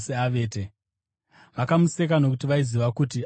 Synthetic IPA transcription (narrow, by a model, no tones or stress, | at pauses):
seaʋe̞ːte | ʋakamuse̞k̬anok̬utiʋaiziʋakuti